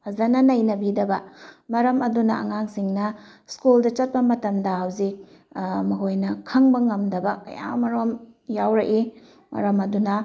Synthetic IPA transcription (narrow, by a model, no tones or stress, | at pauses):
pʰɐzɐnɐnɐjnɐbidɐbɐmɐɾɐmɐdunɐ̰ɐ̰ŋaŋsiŋnɐ | skuldɐt͡ʃɐt̚pɐmɐtɐmdɐhawzik̚ | mɐɦojnɐkʰɐŋbɐŋɐmdɐbɐkɐ̰ja̰mɐɾomjawɾɐʔi | mɐ̰ɾɐmɐdunɐ